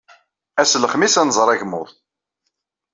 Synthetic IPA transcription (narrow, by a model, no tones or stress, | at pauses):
æsləχmisænzˤəɾˤæʝmʊ̰ð